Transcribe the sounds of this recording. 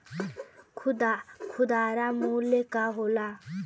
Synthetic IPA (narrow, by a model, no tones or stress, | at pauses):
kʰud̪akʰud̪aɾamulekaɦola